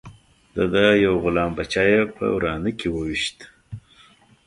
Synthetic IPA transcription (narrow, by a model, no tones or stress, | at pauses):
d̪̥ad̪ajawɣʊlɑmbat͡ʃɑjepə̰wɾɑnəkewəwiʃt̪